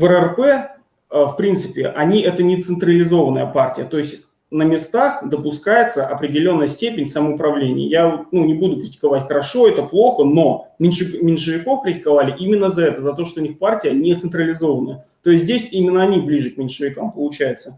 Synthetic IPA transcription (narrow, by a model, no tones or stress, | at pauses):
vərərpɛ | əfpɾʲint̪sɨ̥pʲɪ̰ʔɐnʲiʔɛt̪ənʲɪt̪sɨnt̪ɾəlʲɪzo̞vənəjəpartʲɪjət̪o̞ɪsʲtʲ | nəmʲɪst̪axd̪əpʊskajɪt̪səʔɐpɾʲɪdʲɪlʲo̞nːəjəsʲtʲepʲɪnʲsəməʊpɾɐvlʲenʲɪ̰jə̰javot̪̚nunʲɪbud̪ʊkɾʲɪtʲɪ̥kɐvatʲxəɾɐʂo̞ɛt̪əplˠo̞xəno̞mʲɪnʲʂɨmʲɪnʲʂɨvʲɪko̞fkɾʲɪtʲɪ̥kɐvalʲɪʔimʲɪnːəzɐɛt̪əzɐt̪o̞ʂt̪oʊnʲixpartʲɪjənʲɪt̪sɨnt̪ɾəlʲɪzo̞vənəjə | t̪o̞ɪst̬ʲzʲdʲesʲimʲɪnːəɐnʲiblʲiʐɨk̚mʲɪnʲʂɨvʲɪkampəlˠʊt͡ɕæjɪt̪sə